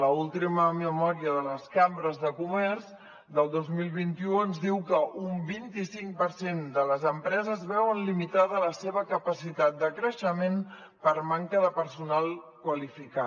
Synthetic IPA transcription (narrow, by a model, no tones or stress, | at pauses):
ləulˠt̪iməməmɔɾiəðələskambɾəzðəkumɛrz | d̪əlˠd̪ozmilˠβ̞int̪iuənzðiwkəʔumbint̪isiŋk̚pəɾsend̪ələzəmpɾɛzəzβɛwənlimit̪aðələseβ̞əkəpəsit̪at̪̚d̪əkɾəʃəmen | pəɾmaŋkəðəpəɾsunalˠ | kwəlifika